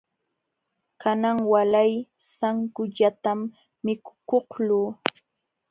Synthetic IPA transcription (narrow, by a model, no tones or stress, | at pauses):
kanaŋwalajsaŋkʊʎat̪amː | ɪkʊ̥koχluː